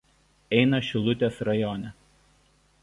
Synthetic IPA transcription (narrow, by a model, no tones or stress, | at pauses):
ɛɪnɐʃʲɪlˠʊt̪ʲeːsɾɐjɔːnʲɛ